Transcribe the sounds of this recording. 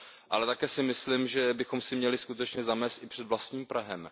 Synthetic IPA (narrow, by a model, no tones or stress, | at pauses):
ʔalɛt̪akɛːsɪmɪslimʒɛbɪxo̞msɪmɲɛlɪskut̪ɛt͡ʃɲɛzamɛːst̪ʔɪpr̝̥ɛd̪vlast̪ɲiːmpɾaɦɛm